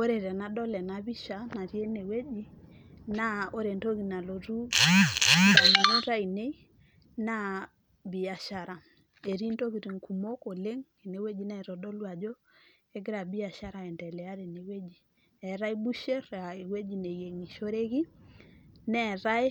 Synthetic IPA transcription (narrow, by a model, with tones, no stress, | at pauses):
o˦ɾe˨ɾɛ˨na˦dɔ˦lɛ˨na˨bi˦ʃa˨na˨ɾje˦ne˨we˦d͡ʒi˦ | na˦o˦ɾe˨nto˦ki˨na˨lo˨ɾu˦ | ɾa˨i˨n˨ɾo˦ɾa˦i˨ne˦ | na˦ | bi˨a˨ʃa˨ɾa˨ | e˨ɾi˦nto˦ɣi˨ɾi˨ŋku˨mo˦ko˨le˦ŋi˨ne˨we˦d͡ʒi˦nɛ˦˨ɾɔ˨do˦lwa˨d͡ʒo˦ | e˦ɡɪ˦ɾa˨bi˦a˨ʃa˦ɾa˨ɛ˨ntɛ˨lɛ˨a˦ɾe˨ne˨we˦d͡ʒi˨ | ɛ˨ɾa˦jbu˦ʃe˦ɾa˨e˨we˦d͡ʒi˨ne˨je˨ŋi˨ʃo˦ɾe˦ɣi˦ | nɛ˦ɾa˦j